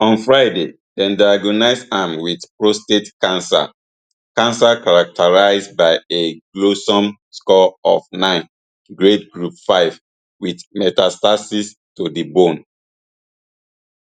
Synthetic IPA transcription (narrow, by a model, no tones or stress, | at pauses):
ɔ̃nfɹaɪde | dɛ̃ndaaɡɔnaɪsãmwidpɹostetkãnsa̰ | kãnsakaɹak̚tʰaɹaɪzbaɪeɡlosɔ̃m | skɔɔfnãɪ̃n | ɡɹedɡɹupfaɪv | widmɛtastasis | todibõn